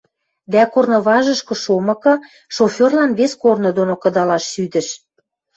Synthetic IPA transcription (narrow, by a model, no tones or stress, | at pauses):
d̪ækornŏβɑʒə̆ʃkɤ̆ʃomɤ̆kɤ̆ | ʃofʲorlɑnβeskornŏd̪onokɤ̆d̪ɑlɑʃːyd̪ɘ̆ʃ